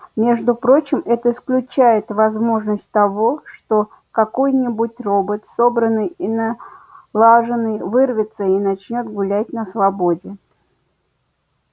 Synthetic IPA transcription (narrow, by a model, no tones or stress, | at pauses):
mʲe̞ʐd̪ʊpɾo̞t͡ɕɪmɛt̪əɪsklʲʉt͡ɕæjɪt̪vɐzmo̞ʐnəsʲt̚ʲt̪ɐvo̞ʂt̪o̞ | kɐko̞jnʲɪbʊtʲro̞bət̪sobɾənːɨjinalˠaʐɨnːɨjvɨrvʲɪt̪səinɐt͡ɕnʲo̞t̪ɡʊlʲæt̚ʲnəsvɐbo̞dʲɪ